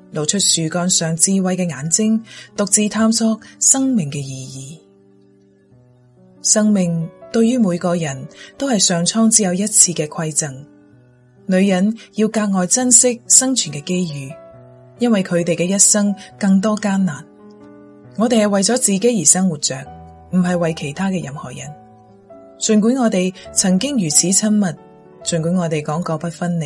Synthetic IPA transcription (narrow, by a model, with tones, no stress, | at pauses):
lo˨wt͡ʃʰɵ˥t̚syː˨kɔː˧nsœː˨ŋt͡siː˧wɐ˨˧jkɛː˧ŋaː˨˥nt͡sɪ˥ŋt̪ʊ˨k̚t͡siː˧t̪ʰaː˥msɔː˥k̚sɐ˥ŋmɪ˨˩ŋkɛː˧jiː˨jiː˨˩ | sɐ˥ŋmɪ˨ŋt̪ɵ˧ɥɥyː˥muː˨˧jkɔː˧jɐ˨˩nt̪o˥whɐ˨jsœː˨ŋt͡sʰɔː˥ŋt͡siː˨˥jɐ˨˧wjɐ˥t̚t͡sʰiː˧kɛː˧kʰwɐ˧jt͡sɐ˨˩ŋ | lɵ˨˧ɥjɐ˨˥njiː˧wkaː˧k̚ŋɔː˨jt͡sɐ˥nsɪ˥k̚sɐ˥ŋt͡ʃʰyː˨˩nkɛː˧ke˥jjyː˨˧ | jɐ˥nwɐ˨jkʰɵ˨˧ɥt̪e˨jkɛː˧jɐ˥t̚sɐ˥ŋkɐ˧ŋt̪̬ɔː˥kaː˥nnaː˨˩n | ŋɔː˨˧t̪e˨jhɐ˨jwɐ˨jt͡sɔː˨˥t͡siː˨ke˨˥jjiː˨˩sɐ˥ŋwuː˨˩t̚t͡ʃt͡sœː˨˩k̚ | m̩˨˩ɦɐ˨jwɐ˨jkʰe˨˩jt̪ʰaː˥kɛː˧jɐ˨˩mhɔ̰ː˨˩jɐ̰˨˩n | t͡sɵ˨nkuː˨˥nŋɔː˨˧t̪e˨jt͡sʰɐ˨˩ŋkɪ˥ŋjyː˨˩t͡sʰiː˨˥t͡sʰɐ˥nmɐ˨t̚ | t͡sɵ˨nkuː˨˥ŋɔː˨˧t̪e˨jkɔː˨˥ŋkɔː˧pɐ˥t̚fɐ˥nːe˨˩